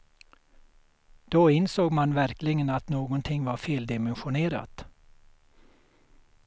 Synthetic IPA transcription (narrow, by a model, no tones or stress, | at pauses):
d̪̥oːɪnsoːɡmanvæɾklɪɡənat̪noːɡɔnt̪ʰɪŋːvaɾfeːld̪ɪmɛnɧʊneːɾa̰t̪